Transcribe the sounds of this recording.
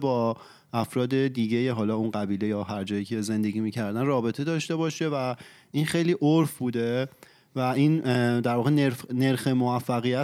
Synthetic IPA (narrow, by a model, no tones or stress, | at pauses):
bɒː | ʔæfɾɒːd̪e̞d̪iːɟe̞jeɦɒːlɒːunɢæbiːle̞jɒːɦæɾd͡ʒɒːjiːcʰe̞ze̞nd̪e̞ɟʲiːmiːcʰæɾd̪ænrɒːbe̞t̪ʰe̞d̪ɒːʃt̪e̞bɒːʃe̞væ | ʔinxejliːʔoɾfbuːd̪e̞ | væind̪æɾvɒːɣeneɾfneɾxe̞movæfːæɣijæ